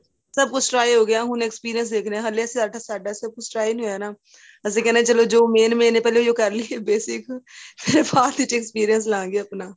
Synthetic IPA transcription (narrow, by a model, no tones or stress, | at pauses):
sɐb̚kʊt͡ʃʰʈɾaːiɦoːɡɐjaɦʊneːkspiːɾijə̃ns̬d̪eːkʰneɛ̃ɦɐlesiaːɾʈʰasaːɖasɐb̚kʊt͡ʃʰʈɾaːinĩɦoːjɛːnaː | ɛs̬ekɛːnat͡ʃɐlod͡ʒoːmeːnmẽːnẽpɛːlejokɐɾliebeːsɪkmeːɾebaːt̪ɪt͡ʃekspiːɾijəns̬lãːŋɡeɐpnaː